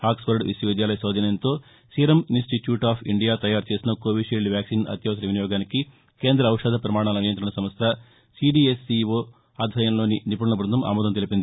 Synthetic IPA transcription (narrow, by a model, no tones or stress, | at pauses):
haːksʋɐɾɖʋḭsjɐʋid̪jaːlɐjɐsɐːd͡ʒ̪ɐnɐjɐnt̪o̞ː | siːɾɐminsʈiʈjuːʈaːpʰiɳɖijaːt̪ɐjaːɾt͡ʃe̞ːsinɐkoːʋiʃeːɭɖʋjaːksiːnɐ̰t̪jɐʋɐsɐnɐʋinijɔːɡaːniki | ke̞ːnd̪ɾɐːwʂɐːd̪ʱɐpɾɐmaːɳ̃aːlɐnijɐnt̪ɾɐɳɐsɐmʋɐst̪ʰɐ | siɖiesːiʋoː | aːd̪ʱʋɐjɐmlo̞ːninipuɽɐnɐbɾund̪ɐma̰ːmɔːd̪ɐmt̪elipind̪i